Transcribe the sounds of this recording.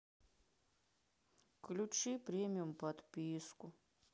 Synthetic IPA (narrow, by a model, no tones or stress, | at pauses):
klʲut͡ʃipɾʲemʲijumpɐt̪pʲiskʊ